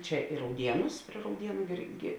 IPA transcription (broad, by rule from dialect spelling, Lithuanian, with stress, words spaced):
ˈt͡ʃʲɛ ɪ rɐʊˈdʲiɛnʊs pʲrʲiɛ rɐʊˈdʲiɛnʊ ˈɪrʲˌɡʲɪ